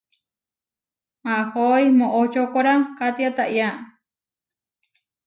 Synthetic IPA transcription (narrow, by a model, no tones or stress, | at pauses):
mãʔhojmõʔot͡ʃokoɾakat̪iat̪aʔja